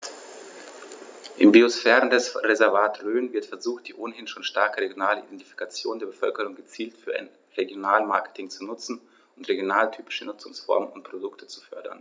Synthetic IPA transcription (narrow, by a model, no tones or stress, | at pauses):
ʔɪmbiosfɛːʁəndɛsʁezɛɐvaːtʁøːnvɪɐtfɛɐzuːxt̚d̥iːʔoːnhɪnʃoːnʃtaɐkəʁeɡjonaːləʔidɛnti̥fi̥kʰat͡sjoːndeːɐbəfœ̰lkəʁ̞ʊŋɡət͡siːltfyːɐʔa̰ɪn | ʁeɡjonaːlma̰ɐkə̥tʰɪŋt͡sunʊt͡sn̩ | ʊntʁeɡjonaːltʰyːpɪ̥ʃənʊt͡sʊŋsfɔ̰ɐmənʊntpʁ̥odʊktʰə̥t͡su̥fœɐdɐ̰n